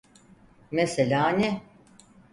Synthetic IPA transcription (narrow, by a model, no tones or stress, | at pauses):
meselʲaːnɛ